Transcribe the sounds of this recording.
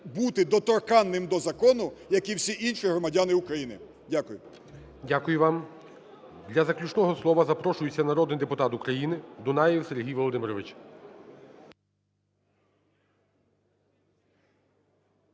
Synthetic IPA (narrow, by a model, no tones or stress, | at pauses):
but̪ɪd̪ɔt̪ɔrkɑnːɪmd̪ɔzɐkɔnʊjɐkiwsʲiʔinʃiɦɾɔmɐdʲanɪʊkɾɐjinɪ̰ | dʲakʊjʊ | dʲakʊjʊʋɑm | d̪lʲɐzɐklʲut͡ʃnɔɦɔslˠɔʋɐzɐpɾɔʃʊjʊt͡sʲːɐnɐɾɔd̪nɪjd̪epʊt̪ɑt̪ukɾɐjinɪd̪ʊnɑjiwseɾɦʲijʋɔlˠɔd̪ɪmɪɾɔʋɪt͡ʃ